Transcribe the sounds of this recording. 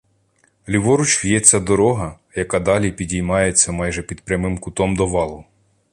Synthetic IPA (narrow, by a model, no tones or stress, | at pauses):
lʲiʋɔɾʊt͡ʃwjɛt͡sʲːɐd̪ɔɾɔɦɐ | jɐkɑd̪ɑlʲipʲidʲijmɑjet͡sʲːɐmɑjʒɛpʲid̪pɾʲɐmɪmkʊt̪ɔmd̪ɔʋɑlˠʊ